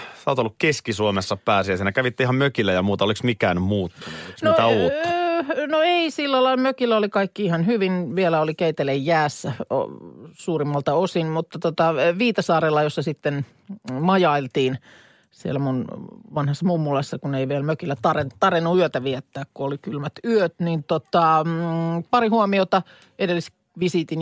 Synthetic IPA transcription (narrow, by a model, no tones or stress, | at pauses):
sɑːˑt̪olːukkeskisuomesːɑpæːsiɑsiːnækæʋit̪ːeihɑmmøkilːæjɑmuːt̪ɑoliksmikæːnmuːt̪ːunuoinot̪æuːnoeisilːælɑilmøkilːæolikɑikːiihɑnhyʋinʋielæolikeit̪elejːæːsːæo̰suːrimːɑlt̪ɑosinmut̪ːɑt̪ot̪ɑʋiːt̪ɑsɑːrelːɑjosːɑsit̪ːen | mɑjɑilt̪iːn | sielæmunʋɑnhɑsːɑmumːulɑsːɑkuneiʋielmøkilːˑæt̪ɑret̪ɑrinːuyøt̪æʋiɛt̪ːæːkkuolikylmæt̪yøt̪nint̪ot̪ɑ | pɑrihuomiot̪ɑ | ʔedelːis | ʋisiːt̪in